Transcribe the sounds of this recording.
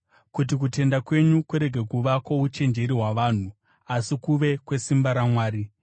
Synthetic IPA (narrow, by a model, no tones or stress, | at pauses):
kut̬ik̬ute̞ndakwe̞ɲukuɾe̞ɡʱe̞kuʋakwout͡ʃe̞nd͡ʒe̞ɾiɦwaʋaːn̤u | asikuʋe̞kwe̞simbaɾamwaːɾi